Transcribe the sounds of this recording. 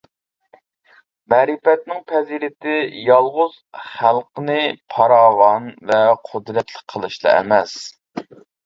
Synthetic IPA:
mɛɾɪpɛt̪̚nɪŋpʰɛziɾɪt̪ʰɪjɑlˠʁʊz̥χælˠqənɨpʰɑɾɑwɑnvɛqʰʊd̪ɾɛt̪ʰlˠək̚ʲqʰəlˠɨʃlˠɑ̰ɛ̰mɛs

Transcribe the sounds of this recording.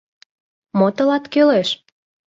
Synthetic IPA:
mot̪ə̆lɑt̪køleʃ

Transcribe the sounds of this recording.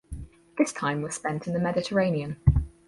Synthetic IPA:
ðɪstʰãɪ̃mwɒz̥spɛ̃ntʰɪ̃nðəmɛdɪtʰəɹẽɪ̃niə̃n

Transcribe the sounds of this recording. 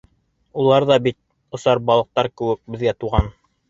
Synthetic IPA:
ulˠɑɾðɑbit̪̚ | ŏsɑɾbɑlˠɤ̆q̚t̪ɑɾkɘ̆wɘk̚bɘ̆ðɡæt̪uʁɑn

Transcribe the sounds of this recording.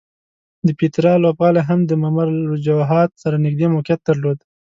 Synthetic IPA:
d̪əpet̪ɾɑlobɣɑlaɦamd̪əmamaɾɾʊd͡ʒawɦɑt̪saɾanɪɡd̪emʊkjat̪̚d̪aɾlod̪

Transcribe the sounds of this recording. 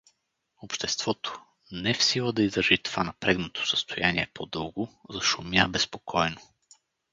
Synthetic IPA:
opʃt̪ɛst̪v̥ɔt̪o̥ | nɛfsilˠəd̪ɐizɾəʒit̪o̥vanɐpɾɛɡnot̪ʰo̥sə̥st̪ojaniɛpʰod̪ɤlˠɡʊzɐʃʊmjabɛspokʰɔjno

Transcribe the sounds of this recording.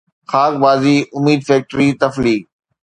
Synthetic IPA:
xaːk̚baːziːʔʊmiːd̪fɛːk̚ʈɾit̪ɐfliː

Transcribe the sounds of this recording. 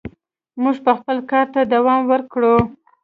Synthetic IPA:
muʐpəxpəlkɑɾt̪ad̪awɑmwəɾkɽu

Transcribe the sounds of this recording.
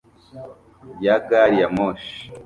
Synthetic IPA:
jaɡaɾijamoʃ

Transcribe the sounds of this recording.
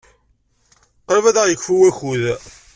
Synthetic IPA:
qɾvæðæʁjəkːfuwæçuð

